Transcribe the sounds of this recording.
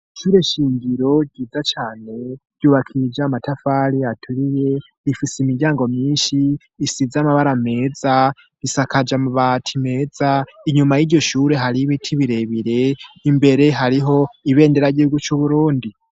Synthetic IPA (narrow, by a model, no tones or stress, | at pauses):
ʃuːɾe̞ʃiːɲɡiɾo̞ɡɟiːd͡zat͡ʃaːne̞ɟ̥juːβakʰid͡ʒamatafaɾiatʰuɾije̞ | ifiseimiɾɟaːŋɡo̞mɲiːnʃiː | sizamaβaɾame̞ːza | isakad͡ʒamuβatʰime̞ːzaiɲumajiɾɟo̞ʃuːɾe̞ɦaɾiβitʰiβiɾe̞βiɾe̞imbe̞ɾe̞ɦaɾiɦo̞iβe̞ːndeɾaiɟihuɡut͡ʃuβuɾuːndi